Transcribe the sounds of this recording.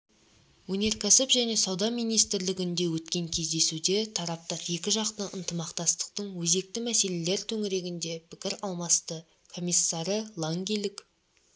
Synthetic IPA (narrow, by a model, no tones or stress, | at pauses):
wɵne̞ɾkʲʰæsɪpʒæne̞sɑwd̪ɑmijnijst̪ɪɾlɪɡʲɪnd̪e̞wɵt̪kʲe̞ŋkʲʰe̞zd̪e̞sud̪e̞t̪ʰɑɾɑp̚t̪ɑɾje̞kʲɪʒɑqt̪əʔənt̪əmɑqt̪ɑst̪ə̥qt̪əɴwɵze̞k̚t̪ɪmæse̞le̞le̞ɾt̪ʰɵŋɪɾe̞ɡʲɪnd̪e̞pʰɪkʲɪɾɑlˠmɑst̪ə | kʰo̞mʲijsːɑɾəlˠaŋɡʲijlʲˠɪk